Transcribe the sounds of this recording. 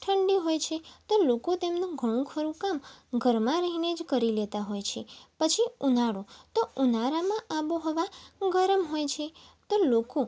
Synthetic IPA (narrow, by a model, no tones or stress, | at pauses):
ʈʰəɳɖiɦojt͡ʃʰet̪olokot̪emnũɡʱəɽ̃ũkʰəɾũkamɡʱəɾmãɾəɦined͡ʒkəɾilet̪aɦojt͡ʃʰepət͡ʃʰiunaɽũt̪ounaɾamãʔaʋoɦɔʋaɡəɾəmɦojt͡ʃʰet̪oloko